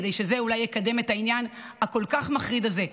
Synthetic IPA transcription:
d̪e̞jʃe̞ze̞ulajekad̪e̞metainjan | hako̞lkaχmaχʁid̪alze

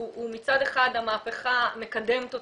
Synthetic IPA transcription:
umit͡sadeχadamaːpe̞χame̞kade̞mt̪o

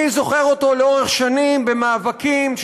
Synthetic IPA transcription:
izo̞χeʁot̪o̞leo̞ʁe̞χʃanimbe̞maːvakimʃ

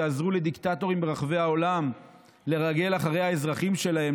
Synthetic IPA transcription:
aːzʁule̞d̪iktato̞ʁimbeʁaχve̞jao̞lam | le̞ʁaɡe̞laχaʁe̞jhaezʁaχimʃe̞laɦe̞m

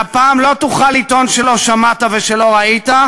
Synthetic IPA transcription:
apaːmlo̞t̪uχalit̪o̞nʃelo̞ʃamat̪ave̞ʃe̞lo̞ʁait̪a

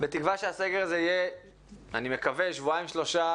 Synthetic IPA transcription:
bet̪ikvaʃeaseɡeʁazeije | animekaveʃvuaimʃlo̞ʃa

